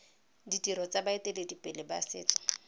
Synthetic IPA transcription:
ditʼiɾɔt͡sʼabaetʼeledipʼɪlɪba̰sɪ̰ːt͡sʼɔ̥

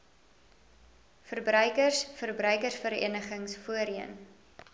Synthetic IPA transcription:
fərbɾœɥkərsfərbrœɥkərsfəɾḭənəχəŋsfuəɾiən

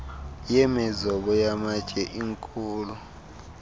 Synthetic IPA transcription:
jɛmɛzɔɓɔjamat͡ʃʼɛʔiŋkʼuːlu

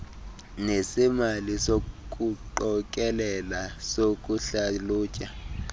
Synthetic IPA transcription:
nesimalisok̬ʼuǃɔkʼɛlɛlasokʼuɬaluːcʼa

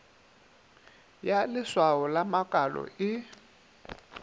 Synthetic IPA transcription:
jalɪswaɔlamakʼalɔ̰ɪ

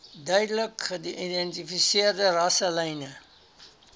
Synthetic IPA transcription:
dœjdələkədiʔidɛntifisiərdərɐsəlɐjnə

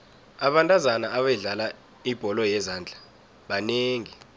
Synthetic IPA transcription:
aɓantʼazanaːɓɛɮala | ib̥ʱɔlɔjɛzaːnd͡ɮʱa | ɓaneːŋi

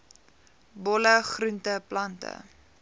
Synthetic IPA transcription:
bɔləχruntəplɐntə̰

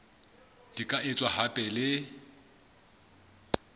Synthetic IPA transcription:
d̥ikʼaʔɪt͡sʼwahapʼɛlɪ

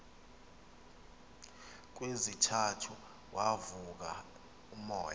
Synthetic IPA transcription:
k̬wezitʰatʰu | wʔavuk̬a̰ | umɔ̰ːja

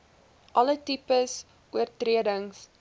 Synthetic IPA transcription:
ʔɐlətipəs | ʔuərtriədəŋs

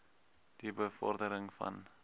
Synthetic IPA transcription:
d̥ibəfɔ̰rdəɾəŋfɐ̰n

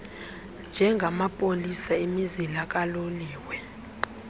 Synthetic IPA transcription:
nd͡ʒʱɛŋɡʱamapʼolisaemizilak̬ʼaloliːwɛ

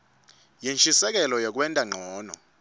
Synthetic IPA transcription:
jint͡ʃʼisɛk̬ɛlɔjɛk̬wɛntʼaŋ͡ǃʱɔːnɔ̰

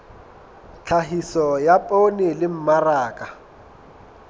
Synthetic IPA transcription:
t͡ɬʰaɦisɔjapʼonɪlɪm̩maraːkʼa

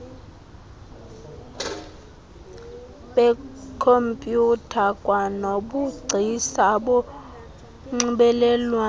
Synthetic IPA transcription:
ɓɛkʰompʼjutʰakʼwanoɓuɡ͡ǀʱisaɓɔ | ŋ͡ǀiɓɛlɛlwa

